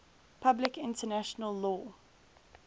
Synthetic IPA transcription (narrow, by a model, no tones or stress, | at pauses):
pʰablɪkɪ̃ntənæʃənəlːɔː